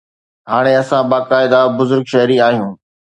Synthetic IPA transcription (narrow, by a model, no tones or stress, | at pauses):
ɦaːɽ̃eɐsãbaːkaːɪd̪abʊzʊɾɡʃɐɦɾiaːɦijũː